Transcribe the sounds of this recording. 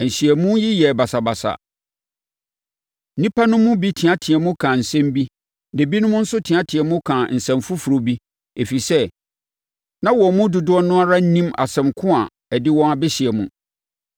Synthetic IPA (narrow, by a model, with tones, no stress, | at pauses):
ɛ˨n̩˨ɕi˨ɛ˨mũ˦ji˦jɛ˨ba˨sa˨ba˨sa̰˨ | n̩˦nĩ˦pʰa˦nʊ̃˦mʊ̃˦bi˦tʰɪ̃˨a˦tʰɪ̃˨ɛ˨mʊ̃˦kʰã˨n̩˨sɛ̃˦m˦bi˦ | ne˨bi˦nʊ̃˦mʊ̃˦n̩˦sʊ˦tʰɪ̃˨ã˦tʰɪ̃˨ɛ˨mʊ̃˦kʰã˨n̩˨sɛ̃˨mfʊ˦fu˨ɾo˨bi˦ | e˨fi˨sɛ˦ | nã˦wɔ̃˨mʊ̃˦dʊ˨dʊ˦ɔ˦nʊ̃˦a˦ɾa˦n̩˦nĩ˦ma̰˨sɛ̃˨mkʰʊ̃˦a˨ | ɛ˨dɪ˦wɔ̃˦ŋa˨bɛ˦ɕɪ˨ɛ˨mũ˨